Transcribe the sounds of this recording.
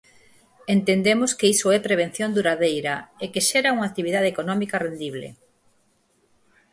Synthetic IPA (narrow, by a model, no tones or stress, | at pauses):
ent̪end̪emoskeisoɛpɾeβ̞en̟θjond̪uɾaðejɾɐekeʃeɾauŋak̚t̪iβ̞iðaðeːkonɔmikɐrend̪iβlḛ